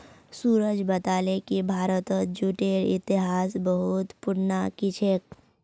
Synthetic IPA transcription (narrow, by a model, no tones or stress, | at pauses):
suːɾəd͡ʒbɐt̪aːlekibʱaːɾət̪əd͡ʒuːʈeːɾɪ̰t̪ɪɦaːsbəɦʊt̪pʊɾnakɪt͡ʃʰek